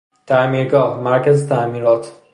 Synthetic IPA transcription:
t̪ʰæmiːɾɡɒːhmæɾcæzet̪ʰæmiːɾɒːt̪ʰ

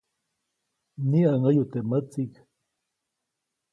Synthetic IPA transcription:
niaŋajut̪emat͡sik

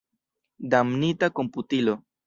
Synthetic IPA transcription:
damnitako̞mputilo̞

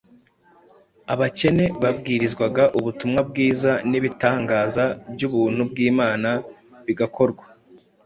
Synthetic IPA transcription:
aβace̞ne̞βab̚ɡiːɾizɡwaɡaʔuβutumŋab̚ɡiːzaniβitaːŋɡaːzabɟuβuːn̥hubɡiːmaːnaβiɡako̞ɾɡwa

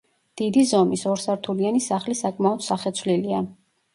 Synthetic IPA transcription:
d̪̥id̪izɔmisɔɾsaɾt̪ʰulianisaχlisakʼmaɔd̪saχɛt̪sʰvlilia

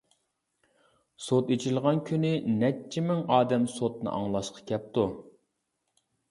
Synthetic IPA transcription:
sot̪et͡ʃʰilˠʁɑnkʲʰynɪnɛt͡ʃʰimɪŋɑːd̪ɛmsot̪̚nɨ̰ʔɑŋlˠɑʃqʰɑ̥kʲʰɛp̚t̪u

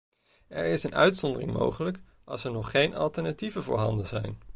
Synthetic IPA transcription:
ɛɹɪsənœ̰ɥtsɔndərɪ̰ŋmo̰wχələk | ɑlˠsɛɹnɔχːejnɑ̰lˠtɛɹnativəvʊ̰ːɹɦɑndəzɛjn

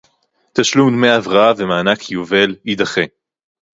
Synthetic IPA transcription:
t̪aʃlumd̪mejavʁaavemaːnakʰijuve̞lid̪aχe

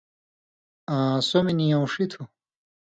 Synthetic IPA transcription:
ãsominijõwʂit̪ʰu

